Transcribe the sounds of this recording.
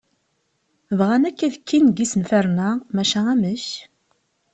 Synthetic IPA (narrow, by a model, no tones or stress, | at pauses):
vʁænækːæðəkːinɡisənfæɾnæmæʃææməç